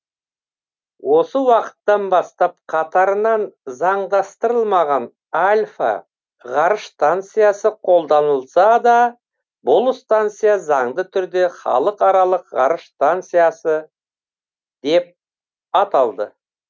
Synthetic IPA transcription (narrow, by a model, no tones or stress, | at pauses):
wʔo̞səwɑqə̥t̪ːɑnbɑst̪ɑp̚qʰɑt̪ɑɾənɑnzɑɴd̪ɑst̪əɾəlˠmɑʁɑn | alʲfa̰ | ʁɑɾəʃst̪ant̪sɨjasəqʰo̞lˠd̪ɑnəlˠsɑd̪ɑ | bʊlˠst̪ant̪sɨjazɑɴd̪ət̪ʰʏɾd̪e̞χɑ̰lˠəqɑɾɑlˠəqʁɑ̰ɾəʃst̪ant̪sɨjasə | d̪e̞p̚ | ɑt̪ɑlˠd̪ə